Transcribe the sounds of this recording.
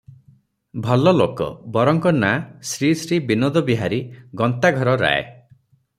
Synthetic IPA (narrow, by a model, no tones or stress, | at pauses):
bʱɔlɔlokɔ̰bɔɾɔŋkɔnasɾisɾibinod̪ɔbiɦaɾiɡɔnt̪aɡʱɔɾɔɾa̰ḛ